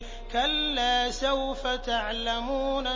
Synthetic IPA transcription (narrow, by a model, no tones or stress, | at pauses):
kalːaːsawfat̪aʕlamuːna